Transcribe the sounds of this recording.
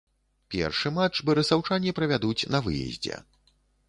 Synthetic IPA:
pʲɛ̰rʂɨmat͡ʂbɐɾɨsawt͡ʂanʲipɾɐvʲad̪ut͡sʲnɐvɨjɛ̰zʲd͡zʲɛ̰

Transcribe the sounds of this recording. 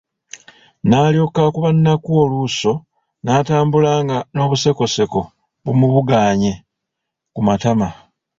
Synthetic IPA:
naːljo̞kakuβanːakuoluso̞ | naːtaːmbulaːŋɡano̞ːβuse̞ko̞se̞ko̞ | βumuβuɡaːɲe̞ | kumatama

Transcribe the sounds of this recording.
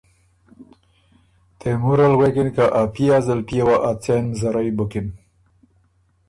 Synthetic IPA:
t̪emuɾalwekinkaʔapiazəlpiawaʔat͡senzaɾajbʊkɪn

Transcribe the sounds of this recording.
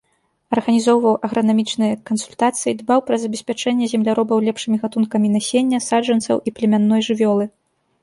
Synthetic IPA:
ɐrɣɐnʲizɔwvɐwʔɐɣɾɐnamʲit͡ʂnɨjɐkɐnsulʲt̪at̪sɨjid̪bawpɾɐzɐbʲɛsʲpʲat͡ʂɛnʲːɛzʲɛmlʲaɾɔbɐwlʲɛpʂɨmʲiɣat̪unkɐmʲinasʲenʲːɐsaʐɐnsɐ̰wʔiplʲɛmʲanːɔjʐɨvʲɔlˠɨ

